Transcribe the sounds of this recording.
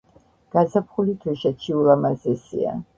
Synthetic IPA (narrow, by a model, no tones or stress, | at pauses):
ɡ̥azapʰχulit̪ʰwiʃɛt͡ʃʰiulamazɛsḭa̰